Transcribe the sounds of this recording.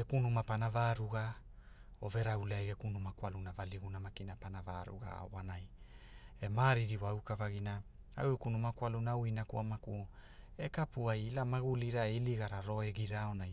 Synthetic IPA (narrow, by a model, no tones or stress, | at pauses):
ekunumapanavaːɾuɡa | ove̞ɾauleaɡekunumakwalunavaliɡunamakinapanava̰ɾṵɡa̰wanaj | emaɾiɾiwawkavaɡina | a̰wekunumakwalunawinakuamakuekapuajlamaɡuliɾaeiliɡaɾaɾo̞eɡiɾaonaj